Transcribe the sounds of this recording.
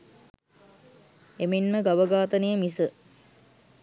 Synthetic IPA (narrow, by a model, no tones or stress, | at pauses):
eminməɡaʋəɡaːt̪ənejəmisə